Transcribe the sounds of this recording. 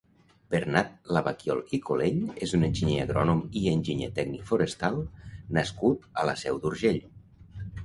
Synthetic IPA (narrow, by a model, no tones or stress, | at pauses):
b̥eɾnat̪̚laβakjɔ̰lˠikoleɲezunenʲʒiɲea̰ɣɾɔnumienʲʒiɲḛt̪ɛɡnikfuɾəst̪alˠnaskut̪ələsɛwd̪uɾʒeʎ